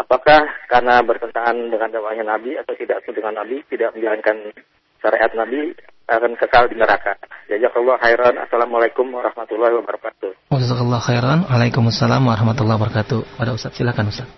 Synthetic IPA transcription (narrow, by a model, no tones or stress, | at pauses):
ʔapakahkarnabərt̪ənt̪aŋandəŋandawaʔɲanabiat̪awt̪idaʔt̪udəŋanːabit̪idaʔ̚məɲd͡ʒaɾankan | ʃaɾeʔat̪̚nabiakankəkaldinəɾakad͡ʒadiakɔlːɔɦajɾɔna̰salamalakʊmwaɾɑhmat̪ulːahwabəɾakat̪uwazakɔlːɑxajɾɔnwalajkʊmasːalamwaɾɑhmat̪ulːahbəɾakat̪upadaust̪at̪silakanust̪at̪̚